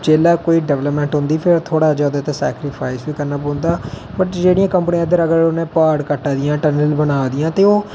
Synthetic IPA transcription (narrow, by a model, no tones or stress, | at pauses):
t͡ʃeːlaːkoːiːɖɛːʋləpmɛ̃ːɳʈɦʊ̃nd̪iːpʰɪɾt̪ʰoːɽaːd͡ʒaːd̪aːt̪aːsɛːkɾɪpʰaːɪsʋiːkəɾnaːpõːnd̪aː | bəʈd͡ʒeːɽɪjãːkəmpənĩãd̪əɾəɡəɾonẽːpaːɖkəʈːaːd̪ɪjãːʈənəlbənaːd̪ɪjãːt̪eːoː